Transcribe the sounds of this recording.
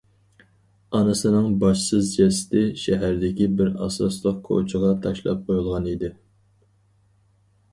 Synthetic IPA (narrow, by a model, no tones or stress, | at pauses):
ɑnɨsɨnɨŋbɑʃsɨzd͡ʒɛsɪ̥t̪ʰɪʃɛɦæɾd̪ɪkʲibɪɾɑ̰sɑslˠəq̚kʰo̰t͡ʃʰəʁɑt̪ʰɑʃlˠɑ̰p̚qʰojulˠʁɑnid̪ɪ